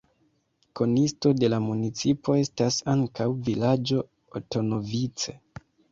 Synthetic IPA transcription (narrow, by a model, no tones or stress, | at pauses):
ko̞nisto̞de̞lamunit͡sipʰo̞e̞stasaŋkawvilad͡ʒo̞ | oto̞no̞vit͡se̞